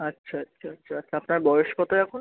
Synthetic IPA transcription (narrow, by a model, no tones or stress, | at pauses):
atːɕʰaatːɕʰaatːɕʰaatːʃʰaapnaɾbɔjoʃkɔt̪aɛkʰon